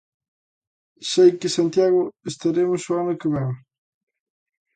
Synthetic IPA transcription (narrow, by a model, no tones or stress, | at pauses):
sejkɪsant̪jaɣʊest̪aɾemʊsoanʊkeβɛŋ